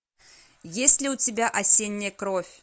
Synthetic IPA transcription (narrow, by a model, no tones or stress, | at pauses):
jesʲtʲlʲɪʊt͡sʲɪbʲaʔɐsʲenʲːɛjkɾofʲ